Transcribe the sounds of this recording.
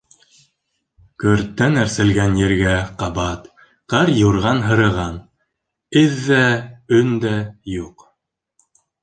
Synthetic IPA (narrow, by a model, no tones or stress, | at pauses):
kɵ̆ɾt̪ːænæɾsɘ̆lɡænjɘ̆ɾɡæqɑbɑt̪ | qɤɾjuɾʁɑnɦɤ̆ɾɤ̆ʁɑn | ɘðːæɵnd̪æjuq